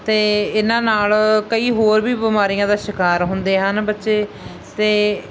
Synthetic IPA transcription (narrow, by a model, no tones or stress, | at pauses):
t̪eːɪnãːnaːlkəiːɦoːɾbiːbɪmaːɾijãːd̪aːʃɪkaːɾɦʊnd̪eːɦənbətːʃeː | t̪eː